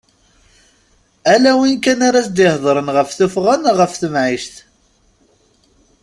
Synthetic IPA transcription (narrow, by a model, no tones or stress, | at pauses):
ælæwinkænaɾat͡sd̪ihðˤɾˤənʁəfθʊfʁænʁəfθəmʕiʃθ